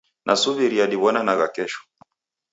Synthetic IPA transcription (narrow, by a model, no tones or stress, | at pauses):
nʔa̰suviɾiaɗiβɔnanaɣakɛʃɔ̥